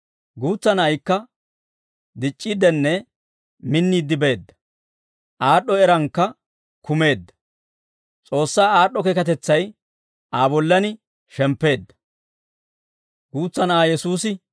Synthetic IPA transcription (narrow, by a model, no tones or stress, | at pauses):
ɡuːt͡sːɐnɐjkːɐ | d̪ɪt͡ʃʼːid̪ɛnːɛ | mɪnːiːd̪ːɪbe̞ːd̪ːɐ̥ | ʔaːɗːɔɛɾɐŋkːɐ | kʊme̞ːd̪ːɐ̥ | t͡sʼo̞ːsːaːaːɗːɔkɛkɐt̪ɛt͡sːɐj | ʔaːbɔlːɐnɪ | ʃɛmpːe̞ːd̪ːɐ̥ | ɡuːt͡sːɐnaːjɛsuːsɪ